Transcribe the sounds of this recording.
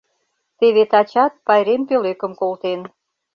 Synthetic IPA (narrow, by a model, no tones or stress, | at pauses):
t̪eβet̪ɑt͡ɕɑt̪̚pɑjɾempøløkə̆mkolt̪en